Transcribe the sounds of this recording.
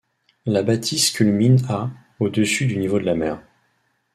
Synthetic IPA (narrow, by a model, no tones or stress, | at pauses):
labat̪ʰiskʲylmina | od̪əsyd̪ynivod̪əlamɛːʁ